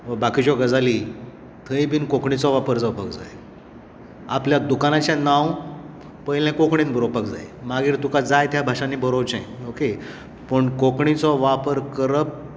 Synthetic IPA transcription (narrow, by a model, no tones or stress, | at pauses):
ʋəbakit͡ɕɔɡəd͡zali | t̪ʰəjbʱiːnkokɳit͡sɔʋapəɾd͡zapəkd͡za̰j | apljad̪ukanat͡ɕjanãw | pəjlɛ̃kokɳĩt̪bʱəɾopək̚d͡za̰jmaɡiːɾt̪ukad͡zajt̪jabʱaʂanibəɾowt͡ɕã̰j̃oke | pəɳkokɳit͡sɔʋapəɾkəɾəp̚